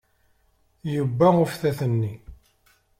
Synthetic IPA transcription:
jubːæʊfθæθənːi

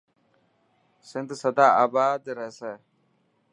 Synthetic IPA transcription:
sɪ̃nd̪səd̪aːaːbaːd̪ɾɛɦsɛː

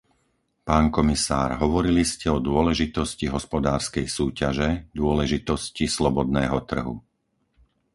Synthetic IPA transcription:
paːnkɔmisa̰ːɾɦɔʋɔɾiliscɛɔd̪ʊɔlɛʒit̪ɔsciɦɔspɔd̪aːɾskɛjsuːcaʒɛd̪ʊɔlɛʒit̪ɔscislɔbɔd̪nɛːɦɔt̪r̩ɦṵ

